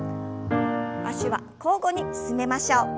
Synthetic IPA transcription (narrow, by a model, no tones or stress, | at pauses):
a̰ɕiβa̰ | ko̞ːɡo̞ɲ̟isɨme̞maɕo̞ː